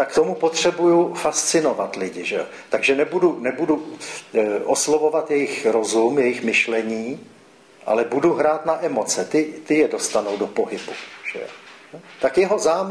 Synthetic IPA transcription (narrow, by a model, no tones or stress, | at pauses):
t̪akt̪o̞mupot̪r̝̥ɛbujufast͡sɪno̞vat̪lɪɟɪʒɛo̰t̪aɡʒɛnɛbudunɛbudu | ʔoslovo̞vat̪jɛjɪxɾo̞zumjɛjɪxmɪʃlɛɲiː | ʔa̰lɛbuduɦɾaːt̪naʔɛmo̞t͡sɛt̪ɪt̪ɪjɛdo̞st̪anowdopo̞ɦɪbuʒ̥ɛ̰o̰not̪akjɛɦozaːm